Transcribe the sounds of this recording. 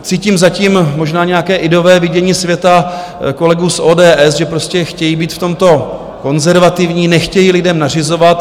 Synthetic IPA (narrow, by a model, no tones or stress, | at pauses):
t͡siːciːmzaciːmmo̞ʒnaːɲɛjakɛːʔɪdo̞vɛːvɪɟɛɲiːsvjɛt̪a | ko̞lɛɡuːsʔoːdɛːʔɛsʒɛpɾoscɛxcɛjibiːt̪ft̪o̞mt̪o̞ | ko̞nzɛɾvat̪ɪvɲiːnɛxcɛjilɪdɛmnar̝ɪzo̞vat̪